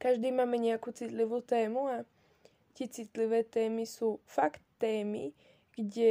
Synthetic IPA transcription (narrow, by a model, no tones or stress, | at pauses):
kaʒd̪iːmaːmɛɲɛjakut͡sit̪livut̪ɛːmua | cit͡sit̪livɛːt̪ɛːmisuːfakt̪ːɛːmḭ | ɡ̥ɟɛ